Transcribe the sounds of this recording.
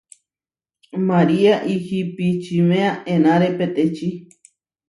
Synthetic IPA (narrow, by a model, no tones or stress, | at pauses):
mãɾiaʔihipit͡ʃimeaʔẽnãɾepet̪et͡ʃi